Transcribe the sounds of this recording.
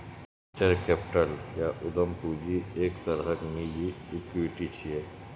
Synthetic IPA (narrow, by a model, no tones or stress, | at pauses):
t͡ʃəɾkeːpʈəljaʔʊd̪əmpuːd͡ʒieːkt̪ɐɾɦəkmid͡ʒiɪkuɪʈit͡ʃʰieː